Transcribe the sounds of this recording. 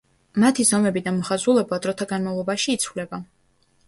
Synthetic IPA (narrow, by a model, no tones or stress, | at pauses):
mat̪ʰizɔmɛbid̪amɔχazulˠɛbad̪ɾɔt̪ʰaɡanmavlˠɔbaʃiːt̪sʰwvlɛba